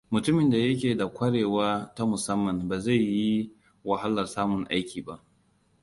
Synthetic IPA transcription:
mʊ˨tʊ˦mɪ˨nda˨jɐ˦k̬ʲeː˨da˨kʷʰɐ˦ɽeː˨waː˦ta˦mʊ˨sɐ˦mːɐ˨mbaː˨za˦˨jːi˦ | wɐ˨ɦa˦lɐ˨rsaː˦mʊ˨ŋʔa˦jkʲʰiː˨ba˦ʔ

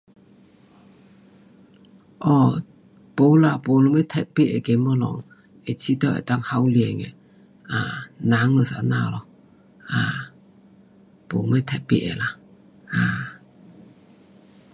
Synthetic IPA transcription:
ʔɔ˧˩ | po˨˦wla˧˨po˨lɔ˨˦mɛ˦˨t̪ʰɛ˧˨t̚pi˦ʔ̚ʔɛ˨ke˨˦mɔ˧˦lɔ̰˨ŋ | ɛ˨t͡ɕʰi˦t̪ɔ˧˨ʔɛ̰˨t̪a˧˨ŋha˧˦wljɛ˨˩ŋɛ̰˨ | ʔaː˧˨na˨˦ŋlo˨sa̰˧˨naː˧˨lɔ˧˨ | ʔaː˧˩ | po˨mɛ˥˦t̪ʰɛ˧˨t̚pḭ˦˨ʔ̚ɛ̰˨la˧˨ | ʔaː˧˨˩

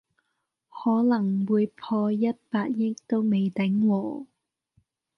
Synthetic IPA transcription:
hɔː˨˥lɐ˨˩ŋwuː˨˧jpʰɔː˧jɐ˥t̚paː˧t̚jɪ˥k̚t̪o˥wme˨jt̪ɛ˨˥ŋwɔː˨˩

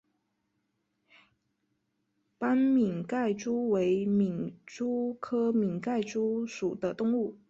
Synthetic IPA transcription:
pa˥nmi˨˩ŋka˥˩ɪʈ͡ʂu˥we˧˥ɪmi˨˩ŋʈ͡ʂu˥kʰɤ˥mi˨˩ŋka˥˩ɪʈ͡ʂu˥ʂu˨˩d̪ə˦t̪ʊ˥˧ŋu˥˩

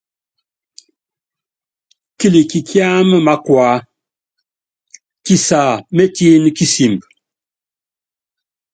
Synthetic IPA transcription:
ki˦li˨ki˨kʰja˦mə˦ma˦kwa˨˦ | ki˨sa˨me˦ti˦nki˦si˨mb

